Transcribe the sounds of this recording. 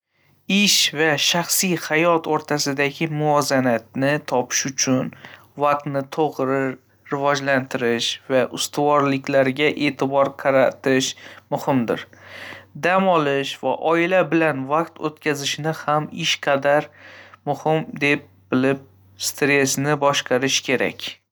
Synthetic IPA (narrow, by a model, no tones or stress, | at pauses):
ɪʃvaʃaχsijhajɒt̪ʰoɾt̪ʰasɪd̪aɡʲɪmʊɒzanat̪̚nɪt̪ʰɒpʰɪ̥ʃʊt͡ʃʰʊn | vaq̚t̪nɪt̪ʰoʁɾɪ | ɾɪvɒd͡ʒlant̪ʰɪɾɪʃvaʔʊst̪ʊvɒɾlɪkʲlaɾɡʲaʔe̞ːt̪ʰɪbɒɾqʰɑɾat̪ʰɪʃmʊhɪmd̪ɪ̰ɾ | d̪amɒlɪʃva̰ʔɒɪlabɪlanvaq̚t̪ʰot̪kʲʰazɪʃɪnɪhamɪʃqʰɑd̪aɾmʊhɪmd̪e̞p̚bɪlɪp̚ | st̪ɾe̞snɪbɒʃqʰɑɾɪʃkʲʰe̞ɾa̰kʲ